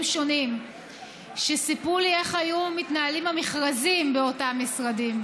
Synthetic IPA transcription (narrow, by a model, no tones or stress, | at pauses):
mʃo̞nim | ʃesipulie̞χajumitnaalimhamiχʁazimbeo̞tamːisʁadim